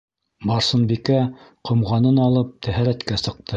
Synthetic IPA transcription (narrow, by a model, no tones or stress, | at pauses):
bɑɾsɤ̆nbikæqʰŏmʁɑnɤnɑlˠɤp̚t̪ʰæɦæɾæt̪kæsɤ̆q̚t̪ʰɤ